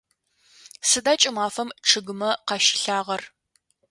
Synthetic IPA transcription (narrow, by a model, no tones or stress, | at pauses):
sɨdaːt͡ʃʼɪmaːfɐmʈ͡ʂʰɨɡɨmɐqɑʃɪ̥ɬaːʁɐr